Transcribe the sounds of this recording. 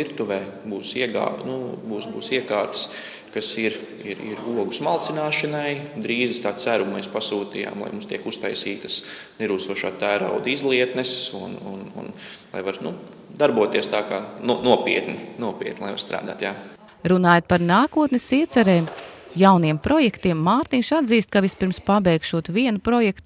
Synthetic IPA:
iɾt̪uʋɛː | buːsiɛɡa̰ːnubuːsbuːsiɛkaːɾt̪ə̥s | kasiɾ | iɾḭɾuɔɡusmalˠt̪sinaːʃɐnajd̪ɾiːzist̪aːsæɾummɛspasuːt̪ija̰ːmlˠa̰jmumst̪iɛkust̪ajsiːt̪ɐ̥snɛɾuːst̪uɔʃaːt̪æːɾa̰wd̪izlˠiɛt̪nɛsunṵnṵnlˠa̰jvaɾnud̪aɾbuɔt̪iɛst̪aːkaːnunuɔpʲiɛt̪ninuɔpʲḭɛt̪nʲlnɛʋvaɾst̪ɾa̰ːd̪a̰ːt̪jaː | ɾunaːjt̪̚paɾnaːkuɔt̪nɛsiɛt̪sɛɾɛːmjawniɛmpɾɔjɛkt̪iɛmːaːɾt̪inʲʃad̪ziːst̪̚kaʋist̪piɾmspabɛjkʃuɔt̪viɛnupɾɔjɛkt̪

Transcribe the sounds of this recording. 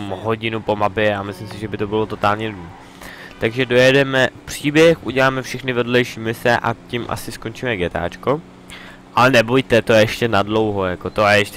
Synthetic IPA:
mɦo̞ɟɪnupo̞mapjɛamɪslɪmsɪʒɛbɪt̪o̞bɪlo̞t̪o̞t̪aːlɲɛdu | t̪aɡʒɛdo̞jɛdɛmɛpr̝̥iːbjɛxʔuɟɛlaːmɛfʃɛxnɪvɛdlɛjʃiːmɪsɛʔa̰cimʔa̰sɪskont͡ʃimɛɡɛt̪a̰ːt͡ʃko | ʔalɛnɛbojt̪ɛt̪ojɛɛʃcɛnadlo̞wɦo̞jakot̪ojɛɛʃ

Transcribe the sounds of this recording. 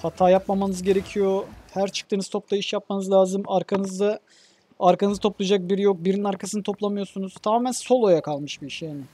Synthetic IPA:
hat̪ʰaːjapmamanɯzɟe̞ɾe̞cʰijo̞hæɾt͡ʃʰɯ̥k̚t̪ʰɯːnɯz̥t̪ʰo̞p̚t̪ˠaiʃjap̚manɯzlʲaːzɯmaɾkʰanɯzd̪a | aɾkʰanɯzɯt̪ʰo̞plˠjad͡ʒak̚biɾijok̚biɾininaɾkʰasɯnɯt̪ʰo̞plˠamɯjo̞sunuz̥t̪ʰamaːmænso̞lˠo̞jakʰalˠmɯʃbiiʃjaːnɪ

